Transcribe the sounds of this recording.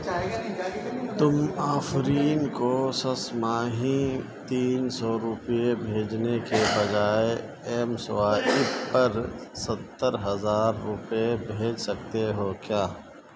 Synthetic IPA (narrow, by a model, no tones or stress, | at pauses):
t̪ʊmaːfɾiːnkosɐsmaːɦĩ | t̪iːnsɔɾʊpjebʱeːd͡ʒnekebɐd͡ʒaːe | ɛːmsoaːɪpːɐɾsɐt̪ːəɾɦɐzaːɾːʊpebʱeːd͡ʒsɐk̚t̪eɦoːkjaː